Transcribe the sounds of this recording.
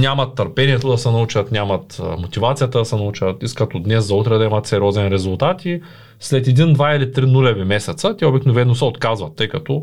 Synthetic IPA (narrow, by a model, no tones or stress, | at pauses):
nʲamɐt̪ːəɾpɛniɛt̪od̪ɐsɛnɐut͡ʃɐt̪nʲamɐt̪mot̪ivat̪sijət̪əd̪ɐsɛnɐut͡ʃət̪iskət̪od̪nɛszɐut̪ɾɛd̪ɐimɐt̪sɛɾʲɔzɛnɾɛzulˠt̪at̪i | slɛt̪ɛd̪ind̪vailit̪ɾinulʲɛvimɛsɛt̪sət̪ʲɛobiknovɛnːosɛot̪kazvɐt̪ːɤjkɐt̪ɔ